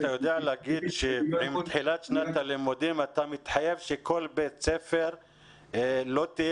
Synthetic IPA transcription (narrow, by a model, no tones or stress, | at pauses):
t̪ajo̞d̪ealeaɡid̪ʃeimt̪ħilat̪ʃnat̪alemod̪imat̪amit̪ħajevʃekʰo̞lbet̪sefe̞ʁ | lo̞t̪i